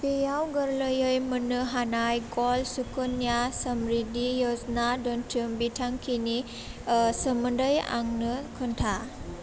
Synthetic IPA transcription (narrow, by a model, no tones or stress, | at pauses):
pejawɡɯɾləjɯjmɯnɯɦanajɡɔlsukɔnijasɐmɾidijɔznadɔntʰɯmbitʰaŋkʰini | səmɯndəja̰ŋnɯkʰɯntʰa